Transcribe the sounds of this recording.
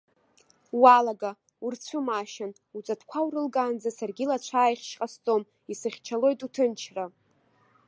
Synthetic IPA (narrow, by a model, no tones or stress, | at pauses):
walaɡa | urt͡sʷʰɨmaʃan | ut͡sʼatʰkʷʰawrɨlɡʼand͡zasarɡʲilat͡ʃʷʰaːjχʲʃqʼast͡sʼo̞m | isɨχʲt͡ʃʰalo̞jtʼutʰɨnt͡ʃʰra